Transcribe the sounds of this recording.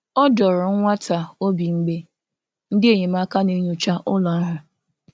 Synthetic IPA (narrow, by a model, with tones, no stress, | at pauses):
ɔ˦dɔ˨ɾʊ˨ŋ̩˦ŋʷa˦ta˨o˦bi˨ŋ͡m̩˦ɡ͡be˦ | n̩˦dɪ˦e˨ɲe˨ma˦ka˦ne˦ɲu˦t͡ʃa˦ʔʊ˦lɔ˨a˦ɦa˨